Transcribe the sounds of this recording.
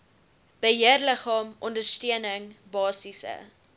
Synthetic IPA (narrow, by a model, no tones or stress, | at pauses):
b̥əɦiərləχɑːmʔɔndərstiənəŋbɑːsisə̰